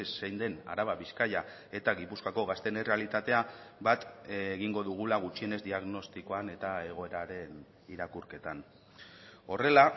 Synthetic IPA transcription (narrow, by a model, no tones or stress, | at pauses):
sːejnd̪e̞na̰ɾaβaβiskaja | e̞t̪aɣipuskako̞ɣast̪e̞nerealit̪at̪e̞a | bat̪eɣiŋɡo̞ðuɣ̞ulaɣ̞ut͡ʃie̞ne̞zd̪iaɣno̞st̪iko̞ane̞t̪ae̞ɣ̞o̞e̞ɾaɾe̞n | iɾakuɾke̞t̪an | o̞re̞la